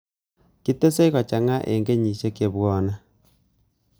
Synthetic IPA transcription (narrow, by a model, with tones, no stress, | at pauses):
ki˦to˦se˦i˦ɣɔ˨t͡ʃa˨ŋa˦ʔḛ˨ŋɡe˦ɲi˨ʃe˦ke˨βwɔː˦na˦